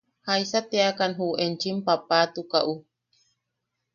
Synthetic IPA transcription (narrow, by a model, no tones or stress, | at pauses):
hajsat̪eakanɦuent͡ʃimpapat̪ukaʔu